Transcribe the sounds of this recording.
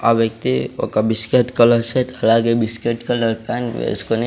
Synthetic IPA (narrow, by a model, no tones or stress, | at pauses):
a̰bjəkt̪io̰kabɪskeʈkələɾset̪ʰɐlaɡebiskeʈkələɾpanḛʊ̰skon